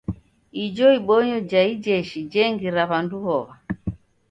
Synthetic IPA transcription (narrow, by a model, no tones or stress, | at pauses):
id͡ʒɔiɓɔɲɔd͡ʒaid͡ʒɛʃid͡ʒɛŋɡiɾaβanduhɔβa